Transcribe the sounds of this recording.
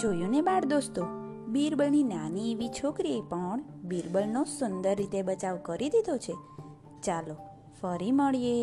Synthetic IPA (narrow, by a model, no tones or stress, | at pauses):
d͡ʒojunebaɾd̪ost̪o | biɾbəlninanieʋit͡ʃʰokɾiepəɳbiɾbəlnosʊnd̪əɾːit̪ebət͡ʃaʋkəɾid̪id̪ʱot͡ʃʰe | t͡ʃalo | fəɾiməɭije